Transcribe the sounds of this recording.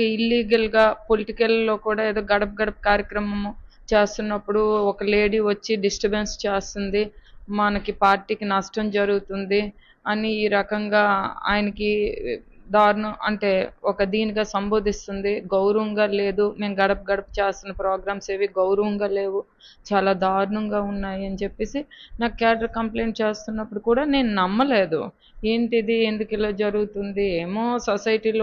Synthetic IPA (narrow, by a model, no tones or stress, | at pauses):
eilːiːɡɐlɡaːpo̞liʈikɐlːo̞ːkuːɽaːeːd̪oːɡɐɽɐpɐɡɐɽɐpɐkaːɾjɐkɾɐmɐm | t͡ʃeːst̪unːɐpːuɽuɔkɐle̞ːɽiʋɐt͡ʃːiɖisʈɐbenst͡ʃeːst̪und̪imɐnɐkipaːɾʈiːkinɐʂʈɐmd͡ʒɐɾuɡut̪und̪i | ɐniːɾɐkɐŋɡaːa̰ːjɐnɐki | d̪aːɾnuʔɐ̰ɳʈe̞ːɔkɐd̪iːniɡaːsɐmbo̞ːd̪ʱist̪und̪iɡɐwɾɐʋɐŋɡaːle̞ːd̪ume̞ːmɡɐɽɐp̚ɡɐɽɐpu̥t͡ʃeːst̪unːɐpɾaːɡɾaːmseːʋiɡɐwɾɐʋɐŋɡaːle̞ːʋu | t͡ʃaːlaːd̪ʱaːɾuɳɐŋɡaːunːaːjiɐnit͡ʃepːe̞ːsinaːkkjaːɖɐɾkɐmple̞ːɳʈ̚t͡ʃe̞ːst̪unːɐpːuɽukuːɽaːne̞ːnunɐmːɐle̞ːd̪ṵ | e̞ːɳʈid̪ie̞nd̪ukɛloːd͡ʒɐɾuɡut̪und̪ieːmo̞ːsɐsɐjʈiːloː